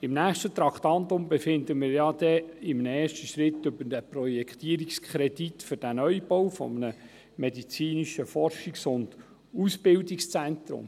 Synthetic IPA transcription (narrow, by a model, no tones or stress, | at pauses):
ɪmnæːχʃtət̪ɾɑkt̪ɑnt̪ʊmbɛfɪnd̪əmɪːɾjɑd̥̪ɛɪmnɛːʃtəʃɾɪt̪ːʏbəɾdæprɔjɛkχt̪iːəɾikskʰχɾɛditfʏɾd̥ænœjbɔwfɔ̰mənə | mɛdit͡siːniʃəfɔrʃiksʊnd̥ | usb̥ɪldikst͡sænt̪ɾʊ̰m